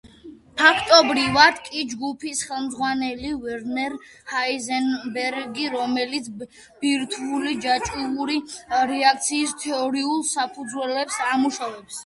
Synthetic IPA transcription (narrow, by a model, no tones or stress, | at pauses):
pʰakʰt̪ʼɔbɾivad̪̥kʼid͡ʒɡupʰisχɛlˠmd̪zʁwanɛlivɛɾnɛɾ | haizɛnbɛɾɡiɾɔmɛlit̪sʰ | b̥iɾt̪ʰulid͡ʒat͡ʃʼuuɾiɾɛak̚t̪sʰiːst̪ʰɛɔɾiulˠsapʰud̪zwɛlɛpsamuʃavɛps